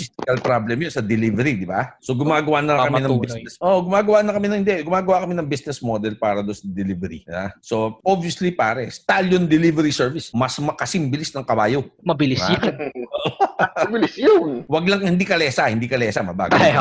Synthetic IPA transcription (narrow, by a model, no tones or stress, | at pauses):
fist̪ɪkɐlpɾablɛmjonsɐd̪ɛlivɛɾid̪ɪba̰soɡʊmaːɡɐwaʔnɐkɐmɪnɐŋbisnɛsʔoːʔoɡʊmaːɡɐwanɐkɐmɪnɐŋhɪnd̪ɛʔɡʊmaːɡɐwakɐmɪnɐŋbisnɛsmod̪ɛlpaːɾɐd̪onsɐd̪ɛlivɛɾḭbaso̞ʔobijɐslipaːɾɛst̪aljond̪ɛlivɛɾisɛɹvɪsmɐsmɐkɐsɪmbɪlisnɐŋkɐbaːjomɐbɪlɪsjʊnoʔɐbɪlɪsjʊnwɐɡlɐŋhɪnd̪ikɐlɛːsɐhɪnd̪ikɐlɛːsɐmɐba̰ɡ